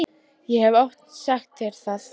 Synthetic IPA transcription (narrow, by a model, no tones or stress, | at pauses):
jɛhɛvɔft̪nsaxt̪ːɛɾ̥θað